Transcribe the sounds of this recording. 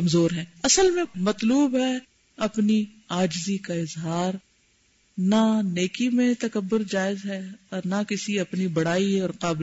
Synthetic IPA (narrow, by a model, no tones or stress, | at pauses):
ɐmzoːɾɦɛ̃ːɐsəlmẽmɐt̪luːbɦɛ | ɐpni | aːd͡ʒzikaɪzɦaːɾ | naneːkimẽt̪ɐkɐbːʊɾd͡ʒaːɪzɦɛɔːɾnakɪsiɐpnibɐɽ̤aːiɔːɾqaːb